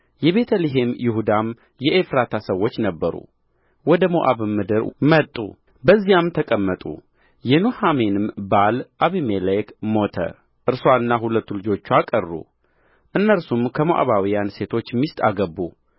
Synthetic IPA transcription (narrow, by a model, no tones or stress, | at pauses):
jɛβe̞t̪ʰəliɦe̞mjɪhud̪am | jɛʔefɾat̪ʰasəwːo̞t͡ʃːnəbːəɾṵ | wɔd̪əmoʔa̰βɨmːɨd̪ɨɾmət̪ʼːṵ | bəzːijamt̪ʰəkʼəmːət̪ʼṵ | jɛnohame̞nɨmbalʔaβimelekmo̞t̪ʰə̰ | ʔɨɾsaɨnːaɦulət̪ːulɨd͡ʒo̞t͡ʃːuakʼərːṵ | ʔɨnːəɾsumkʰəmoʔa̰βawijanse̞t̪ʰo̞t͡ʃːmist̪ʼa̰ɡəbːṵ